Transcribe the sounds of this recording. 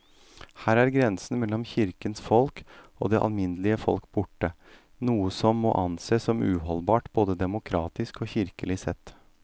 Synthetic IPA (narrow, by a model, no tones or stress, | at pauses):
hæːɾæɾɡɾɛnsən̩mɛlːɔmçɪɾkənsfɔlko̰ːd̪ɛʔɑ̰lmɪnəlɪəfɔ̰lkbʊʈːə | nuːəsɔmːo̰ːʔɑnseːsɔmʉːɦɔlbɑːʈboːd̪əd̪ɛmʊkʰɾɑːt̪ɪskɔːçɪɾkəlɪsɛt̪ː